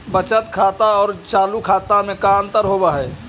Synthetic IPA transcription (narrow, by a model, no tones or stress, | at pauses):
bət͡ʃət̪kʰaːt̪aɔːɾt͡ʃaːlukʰaːt̪amẽkaə̃nt̪əɾɦoːbaɦɛː